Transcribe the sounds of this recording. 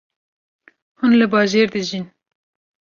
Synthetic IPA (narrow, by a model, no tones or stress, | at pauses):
hunlɨbɑːʒeːɾd̪ɨʒin